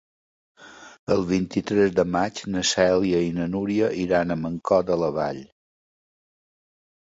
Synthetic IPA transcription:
əlˠβint̪it̪ɾɛzðəmat͡ʃnəsɛliəinənuɾiəʔiɾanəməŋkɔd̪ələβa̰ʎ

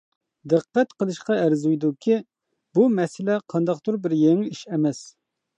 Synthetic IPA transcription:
d̪ɨqːɛt̪qəlˠɨʃqɑɛɾzujd̪ukʲʰi | bumɛsɪlɛqʰɑnd̪ɑqt̪uɾbɪɾjeŋɪiʃɛmɛs

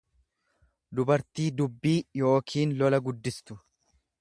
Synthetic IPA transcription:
d̪ʊbɐɾt̪iːd̪ʊbːiːjo̞ːkʰiːnlɔlɐɡʊd̪ːɪst̪ʊ

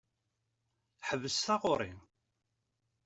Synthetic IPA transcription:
ħəvːəsθɑʁoɾˤḭ

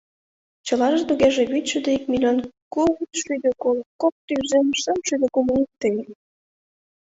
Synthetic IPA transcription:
t͡ɕɤ̆lɑʒɤt̪uɣeʒĕβyt̪ʲt͡ɕud̪eikmilʲɑnkuɣut̪ʃyd̪økolkok̚t̪yzenʃəmʃyd̪ĕkumunʲikt̪ːəje

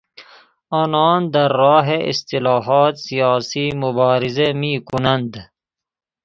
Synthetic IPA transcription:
ɔːnɔːnd̪aɾːɑːɦeʔḭst̪ilɑːɦɔːt̪sijɑːsiːmʊbɑːɾɪzemiːkʰʊnand̪

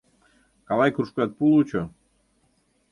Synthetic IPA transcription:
kɑlɑjkɾuʃkuat̪̚pulˠut͡ɕo

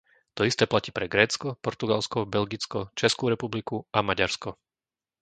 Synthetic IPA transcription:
t̪ɔist̪ɛːplaciːpɾɛɡɾɛːt͡skɔpɔɾt̪uɡalskɔbɛlɡit͡skɔt͡ʃɛskuːɾɛpublikuamaɟaɾskɔ

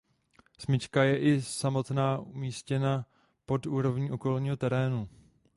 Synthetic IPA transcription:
smɪt͡ʃkajɛʔɪsamo̞t̪naːʔumiːscɛna | po̞tuːɾo̞vɲiːʔoko̞lɲiːɦo̞t̪ɛɾɛːnu

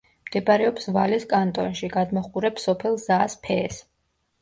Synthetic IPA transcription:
md̪̥ɛbaɾɛɔpsvaliskʼant̪ʼɔnʃiɡad̪mɔχuɾɛpsɔpʰɛlˠzaːspʰɛːs

